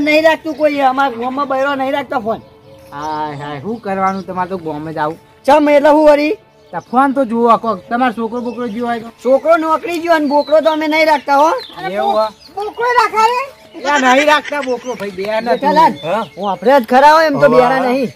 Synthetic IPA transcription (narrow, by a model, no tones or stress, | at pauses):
nəɦĩɾak̚ʰt̪ũkoieəmaɾɡʱõmːãbəjɾonəɦĩɾak̚ʰt̪apʰon | ɦaɦaɦũːkəɾʋanũt̪əmaɾt̪oɡõmːãd͡ʒaʋũ | t͡ʃəmet̪ləɦũʋəɾi | t̪əpʰuant̪od͡ʒoakot̪əmaɾsokɾobokɾod͡ʒjoajt̪osokɾonəkɽid͡ʒjoənbokɽot̪oəmenəɦĩɾak̚ʰt̪aɦoea | bokɾoɾakʰaɾe | lanəɦĩɾak̚t̪abokɾobʱəibeɾanatʰəlaɦũapɾeəd͡ʒ̪kʰəɾaɦoemt̪obeaɾanəɦĩ